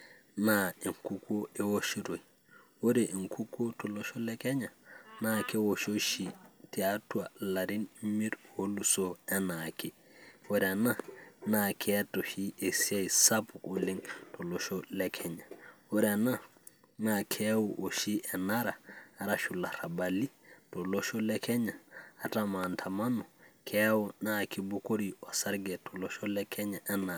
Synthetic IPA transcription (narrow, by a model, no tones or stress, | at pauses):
naiŋkukoewoʃiɾoj | woɾeʔiŋkʰukotoloʃolekeɲanakewoʃoʃitiatualaɾinmiɾwolusoɛnake | woɾɛnanakʰetoʃiʔesiejsapukuliŋtoloʃolekʰeɲawoɾena | nakʰewuʔoʃiʔenaɾaːɾaʃulaɾabalitoloʃolekeɲaatamantʰamanukʰewunakibukoɾiosaɾɡetoloʃolekʰeɲaʔena